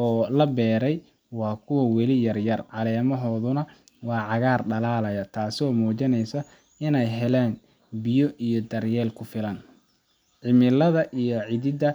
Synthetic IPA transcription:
ʔɔːlɐbɛːɾɛj | wɑːkʰʊwɐwɛlɪjɐrjɐrʕɑlɛːmɐɦɔːðʊnɐ | wɑːʕɑɣaːrɖɐlaːlɐjɐt̪ʰaːsɪɔːmuːt͡ʃɪnɛjsɐ | ɪnɛjɦɛlɛːn | bɪjɔʔijɔd̪ɐrjɛːlkʰʊfɪlɐn | ʕɪmɪlɐðɐʔijɔʕɪðɪd̪ɐ

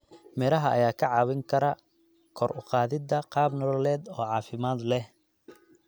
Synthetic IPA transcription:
mɛɾɐɦɐʔɐ̰jaːkʰɐʕɑːβɪŋkʰɐɾɐ | kʰɔrʊ̰qɑːðɪd̪ɐqɑːbnɔlɔlɛːd̪ɔːʕɑːfɪmaːd̪lɛh

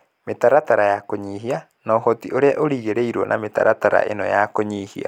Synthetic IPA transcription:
metaɾataɾajakoɲiɦia | naoɦɔtiʔoɾeaʔoɾiːɣeɾeiɾwɔnʔa̰meta̰ɾataɾa̰ʔḛnɔjakoɲiːhia̰

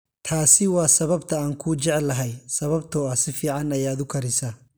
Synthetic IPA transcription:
t̪ʰaːsɪwɑːsɐβɐbt̪ʰɐaːŋkʰuːt͡ʃɛʕɛlːɐɦɛjsɐβɐbt̪ʰɔːɐsɪfiːʕɑnɐjaːd̪ʊkʰɐɾɪsɐ

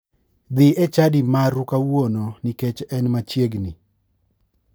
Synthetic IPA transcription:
d̪ɪʔɛt͡ʃadimaɾʊkawononiket͡ʃɛnmat͡ʃjeɡni

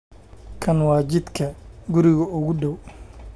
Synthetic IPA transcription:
kʰɐnwɑːt͡ʃɪd̪kʰɐɡʊɾɪɣɐʊɣʊɖɔw

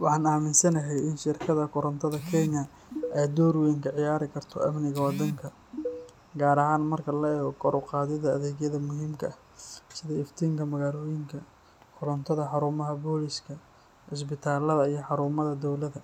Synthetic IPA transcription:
wɑħɑːnaːmɪnsɐnɐɦɛjɪnʃɪrkʰɐðɐkʰʊɾɐnt̪ʰɐðɐkʰɛnɐ | ɛjd̪ɔːɾwɛːŋkʰɐʕɪjaːɾɪkʰɐrt̪ʰɔ̰ʔɐmnɪɣɐwɑd̪ɐŋkʰɐ | ɡaːɾɐɦaːnmɐrkʰɐlɐɛːɣɔkʰɔɾʔʊqɑːðɪðɐɐðɛːɣjɐðɐmʊɦiːmkʰɐɐh | sɪðɐɪft̪ʰiːŋkʰɐmɐɣaːlɔːjɪŋkʰɐ | kʰʊɾɔnt̪ʰɐðɐħɑɾuːmɐɦɐbɔːlɪʃkʰɐ | ħɪs̬bɪt̪ʰaːlɐðɐijɞħɑɾuːmɐðɐd̪ɔwlɐðɐ

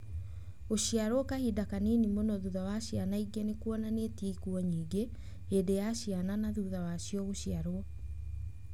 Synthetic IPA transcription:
oɕiaɾwɔkahidakanenimonɔðuðawaɕjanaiɡenekwɔnanetikuɔɲiːɡe | edejaɕiananaðuðawaɕiɔɣoɕiaɾwɔ

